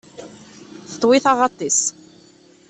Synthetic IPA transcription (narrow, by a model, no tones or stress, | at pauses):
θə̥t̪ˤːwɪθɑʁɑt̪ˤːis